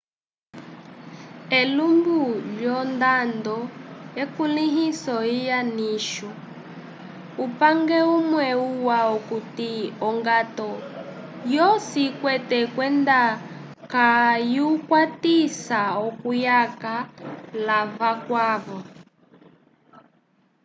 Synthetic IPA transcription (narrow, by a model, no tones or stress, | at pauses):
ɛlumbuʎɔndandɔjɛkuliɦisɔijaniʃɔ | upaŋɡɛumwɛuwaukutiɔŋɡatɔ | jɔsikwɛtɛkwɛnda | kajukwatisaɔkujakalaβakwaːβɔ